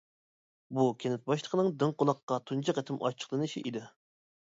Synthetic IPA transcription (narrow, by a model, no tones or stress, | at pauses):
bukʲʰenɪt̪̚bɑʃlˠə̥qʰənɨŋd̪ɪŋqʊlˠɑqːɑt̪ʰunt͡ʃʰɑqɛt̪ʰɪmʔɑ̰t͡ʃʰə̥χlˠɨnɨʃiʔid̪ɪ